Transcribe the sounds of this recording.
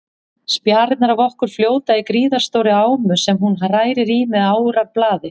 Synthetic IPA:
spjaːɾɪt̪naɾavɔhkʏɾ̥fljoːwt̪aikɾiːðaɾ̥st̪owɾɪaːwmʏsɛmɦunɦaraːjɾɪɾiːmɛðaːwʏɾaɾplaːðɪ

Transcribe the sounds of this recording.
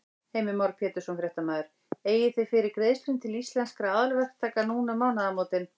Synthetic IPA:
heːjmɪmɔwɾpʰjɛːt̪ʏ̥sɔnfɾjɛht̪amaːðʏɾ̥ | eːjɪθɪfɪɾɪɾkɾeðst̪int̪ʰɪlist̪lɛnskɾaaːðʏlvɛr̥kt̪ʰːaːkanuːnamaːwnaðamoːwt̪ɪn

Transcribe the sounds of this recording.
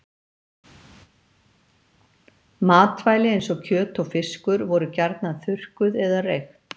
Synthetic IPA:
maːt̪vaːjlɪejnsɔcʰœːt̪ɔɣfɪskʏɾvɔɾʏcaɾt̪naðθʏr̥kʏðɛðarejx

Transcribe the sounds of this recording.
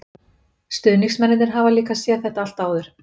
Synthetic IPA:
st̪ʏðnixsmɛnɪðnɪɾɦavaliːkasjɛɾθɛht̪aal̥t̪aːwðʏɾ̥

